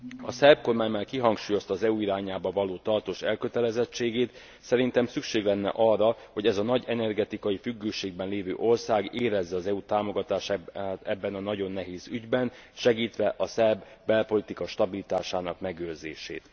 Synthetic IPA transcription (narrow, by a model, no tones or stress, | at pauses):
ɒsɛrbko̞rmaːɲmaːlkiɦɒŋkʃuːjo̞st̪ɒːzɛuiɾaːɲaːbɒvɒloːt̪ɒrt̪oːʃɛlkø̞t̪ɛlɛzɛt͡ʃːeːɡeːt̪ | sɛɾint̪ɛmsykʃeːɡlɛnːɛ̰ʔɒrːɒho̞ɟɛzɒnɒɟɛnɛrɡɛt̪ikɒjifyɡːøːʃeːɡbɛnleːvø̰ːʔo̞rsaːɡeːɾɛzːɛɒzɛut̪aːmo̞ɡɒt̪aːʃt̪ɛbːɛnɒnɒɟo̞nːɛɦeːzyɟbɛn | ʃɛɡiːt̪ʋɛʔɒsɛrbːɛlpo̞lit̪ikɒʃt̪ɒbilit̪aːʃaːnɒkmɛɡøːrzḛːʃḛːt̪